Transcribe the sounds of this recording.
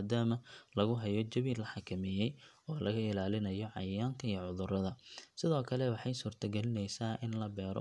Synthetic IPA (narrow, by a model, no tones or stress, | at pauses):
d̪aːmɐlɐɣʊɦɐjɔt͡ʃɐβiːlːɐħɑkʰɐmɛjɛj | ɔːlɐɣɐɪlaːlɪnɐjɔʕɑ̰jjaːŋkʰɐijʕʊðʊrɐðɐsɪðɔːkʰɐlɛwɑħɑjsuːrt̪ʰɐɡɛlɪnɛjsaːʔɪnlɐbɛːɾɔ̰